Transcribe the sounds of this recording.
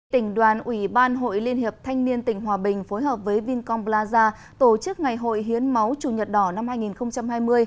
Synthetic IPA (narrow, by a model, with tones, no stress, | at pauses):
t̪ï˧˩ŋ̟ɗwaː˨˩nʔwi˧˩ɓaː˧nɦo̰˧˨jli˧ənhi˨˩əp̚t̪ʰa˧jŋ̟ni˧ənt̪ï˧˩ŋ̟ɦwaː˨˩ɓï˨˩ŋ̟fo˨˦jɦəː˨˩p̚vəː˨˦jvi˧nkɔ˧mblaː˧zaː˧ | t̪o˧˩t͡ɕɨ˦˥k̚ŋa˨˩jɦo̰˧˨jɦi˨˦ənma˨˦wt͡ɕu˨˩ɲə˨˩t̚ɗɔ˨˧˩na˧mhaː˧jŋi˨˩nxə˧wŋ͡mt͡ɕa˧mhaː˧jmɨ˧əj